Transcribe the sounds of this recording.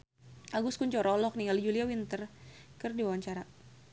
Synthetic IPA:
ʔaɡuskuɲt͡ʃɔɾɔlɔk̚niŋɡald͡ʒuliawint̪ərkərdiwawaɲt͡ʃaɾa

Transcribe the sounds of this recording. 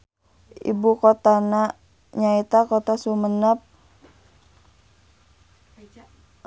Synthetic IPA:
ḭbukot̪ana | ɲait̪akot̪asumənap̚

